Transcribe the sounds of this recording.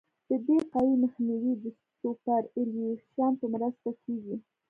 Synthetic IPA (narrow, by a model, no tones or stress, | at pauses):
d̪̥əd̪eqɑwiməxniwid̪ə | topaɾɪliexʃjɑnpəmɾəst̪akʰeɡi